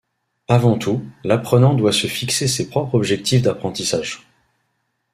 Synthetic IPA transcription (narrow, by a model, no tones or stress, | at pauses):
avɑ̃t̪ulapχənɑ̃d̪wasəfiksesepχɔpχɔbʒɛk̚t̪ifd̪apχɑ̃t̪isaːʒ